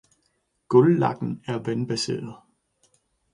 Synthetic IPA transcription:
ɡ̥ɔlːɑ̈ɡ̥̚n̩æɐʋenb̥æse̝̰ːɐð̩ˠ

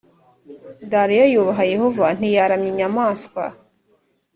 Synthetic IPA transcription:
d̪aɾijojoβaɦajehovan̥ijaɾamɲiɲamaːskʷwa̰

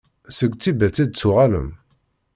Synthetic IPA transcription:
səɡʷt͡sːibæt͡sːid̪̚t͡sːʊʁalə̰m

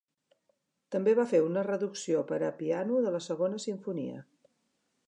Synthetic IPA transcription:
t̪əmbeβafeunərəðuksiopəɾəpianuðələsəɣonəsiɱfunḭə̰

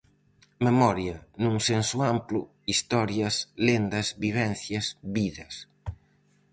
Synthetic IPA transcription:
memɔɾjɐnũŋsensuamplʊ | ist̪ɔɾjɐslend̪ɐzβiβ̞ɛnθjɐsβiðɐs

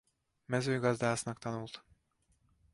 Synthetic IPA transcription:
mɛzøːɡɒzd̪aːsnɒkt̪ɒnult̪

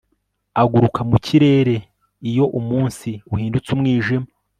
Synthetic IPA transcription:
aɡuɾukʰamuciɾe̞ːɾe̞ | ijo̞ʔumuːnsiuhiːndut͡sumŋiːʒima

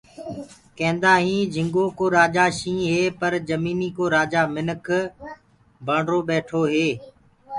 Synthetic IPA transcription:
kɛ̃ːnd̪aːɦĩːd͡ʒʱɪ̃ŋɡoːkoːɾaːd͡ʒaːʃĩːɦeːpəɾd͡ʒəmiːniːkoːɾaːd͡ʒaːmɪnəkʰ | baːɳɾoːɓeːʈʰoːɦeː

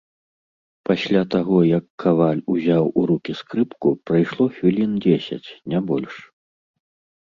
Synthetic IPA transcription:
pasʲlʲat̪aɣɔjɐkʰːavalʲuzʲawʔuɾukʲiskɾɨpkupɾajʂlˠɔxvʲilʲind͡zʲesʲɐ̰t͡sʲnʲabɔlʲʂ

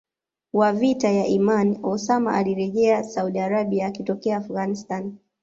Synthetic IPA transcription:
wavitajaʔimaniɔsama̰ʔaliɾɛʄɛasauɗiaɾaɓiaːkitɔkɛaːfuɣanistan

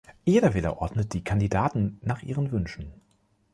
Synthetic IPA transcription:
jeːdɐvɪlɐ̰ʔɔɐdnət̚d̥iːkʰandidaːtn̩naːχʔiːʁənvʏnʃn̩

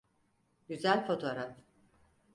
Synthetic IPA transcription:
ɟyzælʲfo̞t̪ʰo̞ɾaf

